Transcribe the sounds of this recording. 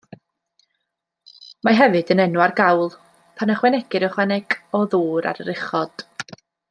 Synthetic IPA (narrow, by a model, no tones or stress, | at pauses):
maɦɛvɨdənɛnwarɡawlˠ | pʰanəχwɛnɛɡ̥ɨɾɔχwɛnɛɡ̥ɔðuːɾa̰ɾəɾɪχɔd̥